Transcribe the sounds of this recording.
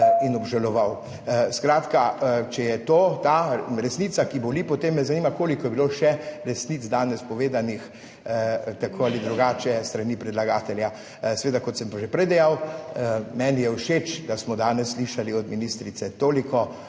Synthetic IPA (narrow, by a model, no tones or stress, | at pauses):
inɔbʒalɔʋaw | skɾaːt̪kat͡ʃɛjɛt̪oːt̪aɾɛsniːt̪sakibolipɔt̪emːɛzaniːmakoːlikɔjɛbiloːʃɛɾɛsnit̪zd̪aːnɛspɔʋeːd̪anix | t̪akʰoːalid̪ɾuɡaːt͡ʃɛst̪ɾaniːpɾɛd̪laɡaːt̪ɛlja | sɛʋeːd̪akɔt̪səmpaʒepɾɛjd̪ɛjaw | mɛːnijɛuʃeːt͡ʃd̪asmɔd̪aːnɛsːliʃaliɔd̪minist̪ɾit̪sɛt̪oːlikɔ